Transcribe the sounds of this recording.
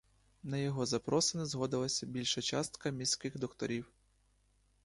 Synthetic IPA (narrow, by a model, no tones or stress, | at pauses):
nɐjɔɦɔzɐpɾɔsɪnɪzɦɔd̪ɪlˠɐsʲɐbʲilʲʃɐt͡ʃɑst̪kɐmʲisʲkɪxd̪ɔkt̪ɔɾʲiw